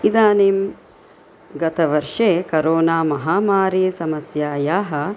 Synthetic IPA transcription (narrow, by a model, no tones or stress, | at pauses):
id̪aːneːm | ɡɐt̪ɐʋɐɾʂeːkɐɾoːnaːmɐɦaːmaːɾjesɐmɐsjaːjaːɦɐ̆